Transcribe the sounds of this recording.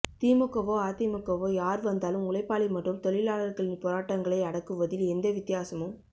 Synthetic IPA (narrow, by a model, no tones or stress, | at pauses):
t̪iːmɯkːɐʋoːaːt̪imɯkːɐʋoːjaːɾʋɐnd̪aːlɯmʊɭɐɪpːaːɭimɐʈːɯmt̪ɔɭɪlaːɭɐɾɣɐɭɪnpoːɾaːʈːɐŋɡɐɭɐɪɐɽɐkːɯʋɐðɪlɛnd̪ɐʋɪt̪ːɪjaːsɐmɯm